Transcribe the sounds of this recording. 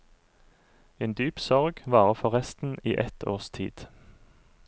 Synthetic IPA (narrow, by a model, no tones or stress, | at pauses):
eːnd̪yːpsɔʁɡʋɑːʁəfɔʁɛst̪n̩ḭːʔɛt̪ʰo̰ːst̪ʰḭːd̪̥